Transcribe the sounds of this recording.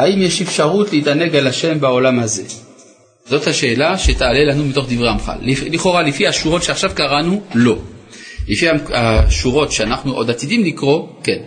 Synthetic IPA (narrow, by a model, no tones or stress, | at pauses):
haimjɛʃefʃaʁut̪liitaneɡalaʃe̞mbao̞lamhaze̞ | zo̞t̪haʃeːlaʃetaːlelanumit̪o̞χd̪ivʁeamχa̰lliχo̞ʁalifihaʃuʁo̞tʃeaχʃavkaʁanulo̞lifiamaʃuʁo̞tʃeanaχnuʔod̪at̪idimlikʁo̞ken